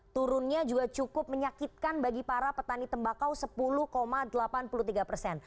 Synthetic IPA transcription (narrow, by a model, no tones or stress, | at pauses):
t̪uɾʊnɲad͡ʒuɡat͡ʃukʊp̚məɲakit̪̚kanbaɡipaɾapət̪anit̪əmbakawsəpuluhkomadəlapanpuluht̪iɡapərsɛn